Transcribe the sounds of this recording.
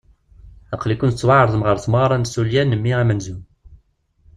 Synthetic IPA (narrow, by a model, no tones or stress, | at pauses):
æqːlikunət͡sːwaʕɾˤðˤəmʁəɾθməʁɾˤɑnsuljænːəmːiæmænzum